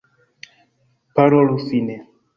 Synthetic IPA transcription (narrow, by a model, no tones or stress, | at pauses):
paɾɔlusinɛ